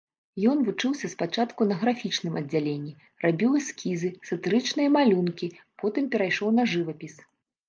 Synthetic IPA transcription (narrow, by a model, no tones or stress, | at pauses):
jɔnvut͡ʂɨwsʲɐspat͡ʂat̪kunɐɣɾafʲit͡ʂnɨmʔɐd͡zʲːalʲenʲːi | rabʲiwɐskʲizɨsɐt̪ɨɾɨt͡ʂnɨjɐmalʲunkʲipɔt̪ɨmpʲɛɾajʂɔwn̪ɐʐɨvɐpʲis